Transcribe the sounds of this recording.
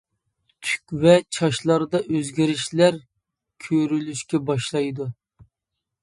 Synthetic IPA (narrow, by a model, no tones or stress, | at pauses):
t̪ʰy̥kʲvɛt͡ʃʰɑʃlˠɑɾd̪ɑʔøzɡʲiɾɪʃlæɾ | kʲʰøɾylyʃkʲɛbɑʃlˠɑjd̪u